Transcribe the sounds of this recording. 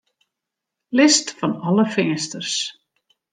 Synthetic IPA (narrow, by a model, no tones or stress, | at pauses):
lɪst̪fanaləfɪnɪst̪əɾ̥s